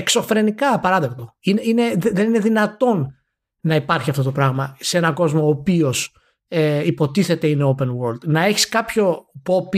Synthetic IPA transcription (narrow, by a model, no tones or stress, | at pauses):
ekso̞fɾe̞nikɐpɐɾɐðept̪o̞ineine̞ððe̞nine̞ðinɐt̪o̞nː | ɐipɐɾçiɐft̪o̞t̪o̞pɾɐɣmɐsee̞nɐɡo̞zmo̞ːpio̞s | eipo̞t̪iθe̞t̪e̞ineope̞nɣoɾld̪̥nɐe̞çi̥skɐpçopo̞pi